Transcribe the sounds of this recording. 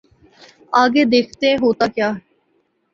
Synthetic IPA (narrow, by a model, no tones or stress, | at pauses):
aːɡeːd̪eːkʰt̪eẽɦoːt̪aːkjaːɦ